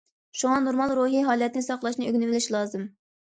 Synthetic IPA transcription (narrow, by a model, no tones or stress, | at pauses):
ʃuŋɑnoɾmɑlˠɾuːɦiɦɑːlˠɛt̪nɪsɑqlˠɑʃnɨøɡʲnɪvɪlɪʃlˠɑːzɨm